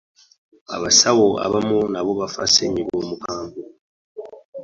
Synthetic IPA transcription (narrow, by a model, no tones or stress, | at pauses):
a̰βasawoa̰βamunaβoβafa̰seɲiβoːmukaːmbu